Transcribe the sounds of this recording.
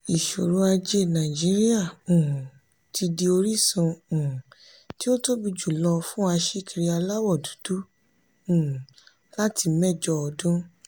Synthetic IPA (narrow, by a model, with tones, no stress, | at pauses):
i˨ʃo˨ɾu˧˦a˧d͡ʒe˦˨nã˨d͡ʒi˦ɾi˦a˦˨ũ˨ | tʰi˧di˧o˧ɾi˦sũ˧ũ˨ | ti˦o˦to˦bi˧d͡ʒu˦˨lɔ˧fũ˦a˧ʃi˦ki˧ɾi˧a˧la˦wɔ˦˨du̥˨˦du˦ | ũ˨ | la˦ti˧mɛ˦˨d͡ʒɔ˧ɔ˧dũ˦